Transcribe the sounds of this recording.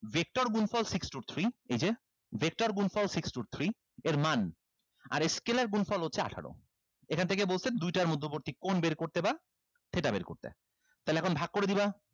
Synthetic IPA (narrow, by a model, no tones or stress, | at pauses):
vʱek̚ʈoɾɡunfɔlsiksʈuɾiejd͡ʑe | vʱek̚ʈoɾɡunfɔlsiksʈuɾt̪ʰɾi | eɾman | a̰ɾeskelaɾɡunfɔlɦotːʰea̰ʈʰa̰ɽo̰ | ekʰant̪ʰekebolsʰed̪ujʈaɾmud̪ʱːoboɾt̪ikonbeɾkoɾt̪eba | t̪ʰeʈabeɾko̰ɾt̪ḛ | t̪ajlɛɛkʰonbʱaɡ̚koɾed̪iba